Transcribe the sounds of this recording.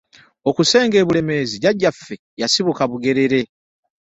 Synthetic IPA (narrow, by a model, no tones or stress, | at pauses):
o̞kuse̞ːŋɡe̞ːβule̞me̞ziɟaɟːafːe̞ | jasiβukaβuɡe̞ɾe̞ɾe̞